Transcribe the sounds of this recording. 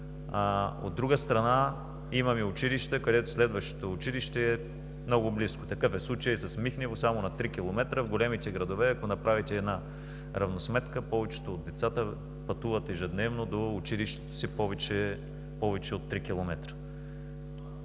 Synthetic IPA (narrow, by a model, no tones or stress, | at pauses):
ao̰d̪ːɾuɡəst̪ɾɐna | imɐmiʊt͡ʃiliʃt̪əkɐd̪ɛt̪o̥slɛd̪vəʃt̪o̥t̪oːt͡ʃiliʃt̪ɛː | mnɔɡʊblisko̥t̪ɐkɤfɛslˠut͡ʃəjsɐsmixnivosamonɐt̪ɾikʲilˠomɛt̪ɾəvɡolɛmit̪ɛɡɾɐd̪ovɛɐkonɐpɾavit̪ɛːd̪na | ɾɐvnosmɛt̪kəpɔvɛt͡ʃɛ̥t̪oːd̪ːɛt̪sat̪ə | pɐt̪uvət̪ɛʒɛd̪nɛvnod̪oːt͡ʃiliʃt̪ɛ̥t̪o̥sipɔvɛt͡ʃɛ | pɔvɛt͡ʃɛot̪ːɾikʲilˠomɛt̪ɾə̥